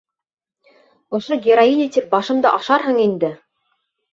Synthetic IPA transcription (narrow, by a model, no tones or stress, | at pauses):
ŏʃoɡʲɪɾainʲit̪ɘp̚bɑʃɤ̆md̪ɤʔɑʃɑɾɦɤɴind̪ɘ